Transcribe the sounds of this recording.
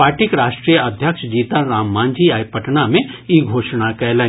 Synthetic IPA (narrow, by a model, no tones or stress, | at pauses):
paːɾʈikɾaːʃʈɾijəɐd̪ʱjəkʃd͡ʒiːt̪aɾaːmːãːnd͡ʒiaːjpɐʈnamẽiɡʱoːʃñakɛːlɛ̃